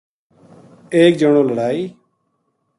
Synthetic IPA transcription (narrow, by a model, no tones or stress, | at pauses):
eːk̚d͡ʒəɳ̃õːləɽaːiː